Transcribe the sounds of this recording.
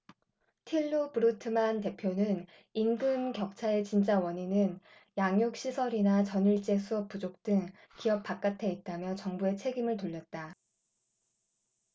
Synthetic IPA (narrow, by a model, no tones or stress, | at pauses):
tʰiɭːupuɾutʰɯmante̞pʰjonɯn | inɡɯmkjʌk̚t͡ɕʰae̞t͡ɕint͡ɕ͈awʌɲinɯn | jaŋjuk̚ɕ͈isʰʌɾinat͡ɕʌniɭt͡ɕ͈e̞sʰuʌp̚p͈ud͡ʑok̚t͈ɯŋ | kiʌp̚p͈ak͈atʰe̞it̚t͈amjʌt͡ɕʌŋbue̞t͡ɕʰe̞ɡimɯɭtoʎːʌt̚t͈a